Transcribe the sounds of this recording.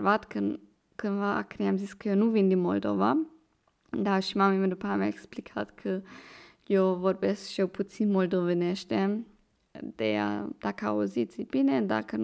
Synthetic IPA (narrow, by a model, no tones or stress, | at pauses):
ɾvat̪kʰən | kʰənvaʔa̰kɾiamziskəjonuvind̪imold̪ova | d̪aʃimamiməd̪upʰamɛɛksplikʰa̰t̪kʰə | jowvoɾbɛsʃjɛwpʰut̪t͡s̪inmold̪ovinɛʃt̪ɛ | d̪̥ḛja̰d̪̥akaozit͡sibinɛd̪a̰kʰən